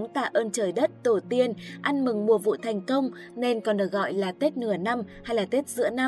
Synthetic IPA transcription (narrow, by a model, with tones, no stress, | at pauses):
ŋ͡mt̪a̰ː˧˨ʔəː˧nt͡ɕəː˨˩jɗə˦˥t̚t̪o˨˩t̪i˧ənʔa˧nmɨ˨˩ŋmu˨˩əvṵ˧˨t̪ʰɛ˨˩jŋ̟kə˧wŋ͡m | ne˧nkɔ˨˩nɗɨː˨˩ɣɔ̰˧˨jlaː˨˩t̪e˦˥t̚nɨ˧˩əna˧mha˧jlaː˨˩t̪e˦˥t̚zɨ̰˧˥ən˧